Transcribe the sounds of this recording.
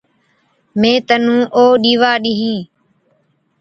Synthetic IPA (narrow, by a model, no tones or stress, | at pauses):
mẽːt̪ənũːʔoːɗiːʋaːɗiːɦĩː